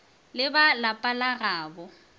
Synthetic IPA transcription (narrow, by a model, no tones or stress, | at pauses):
lɪbalapʼalaɣaːbɔ